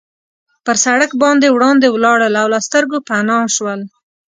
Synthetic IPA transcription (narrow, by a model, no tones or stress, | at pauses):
pəɾsaɽakbɑnd̪ewɽɑnd̪ewlɑɽəlawlɑst̪əɾɡopanɑʃwəl